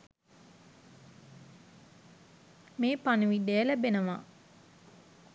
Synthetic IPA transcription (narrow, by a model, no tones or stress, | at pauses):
meːpanuʋid̪eəlæbenəʋa̰